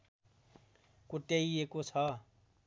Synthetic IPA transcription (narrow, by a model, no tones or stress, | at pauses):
kuʈeiekot͡sʰʌ